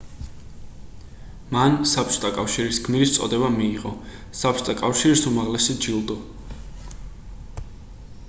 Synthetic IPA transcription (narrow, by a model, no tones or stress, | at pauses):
mansap̚ʰt͡ʃʰʼt̪ʼakʼafʃiɾisɡʰmiɾist̪sʼɔ̰d̪ɛbamiːʁʼɔsapʰt͡ʃʰʼt̪ʼakʼafʃiɾisumaʁlɛsid͡ʒilˠd̪ɔ